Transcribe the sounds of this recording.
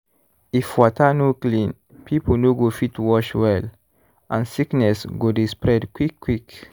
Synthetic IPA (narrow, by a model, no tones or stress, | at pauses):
ifwɔtanoklĩn | pʰiponoɡofitwɔʃwɛl | ʔãnsiknɛsɡodespɹɛdkwikʰːwik